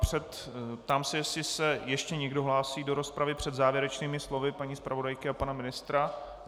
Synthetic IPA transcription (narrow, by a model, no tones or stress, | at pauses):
pr̝̥ɛt̪ | pt̪aːmsɛjɛsɪsɛjɛʃcɛɲɛɡdo̞ɦlaːsiːdo̞ɾo̞spɾavɪpr̝̥ɛd̪zaːvjɛɾɛt͡ʃniːmɪslo̞vɪpaɲiːspɾavo̞dajkɪapanamɪnɪst̪ɾa